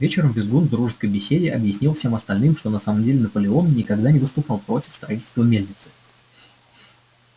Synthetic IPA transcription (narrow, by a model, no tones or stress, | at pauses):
vʲet͡ɕɪɾəmvʲɪzɡunvd̪ɾuʐɨskəjbʲɪsʲedʲɪʔɐbjɪsʲnʲilˠfsʲe̞mɐst̪ɐlʲnɨmʂt̪o̞nɐsaməmdʲelʲɪnəpəlʲɪo̞nnʲɪkɐɡd̪anʲɪvəst̪ʊpɑlˠpɾo̞tʲɪ̥fst̪ɾɐitʲɪlʲt̪vəmʲelʲnʲɪt̪sɨ̥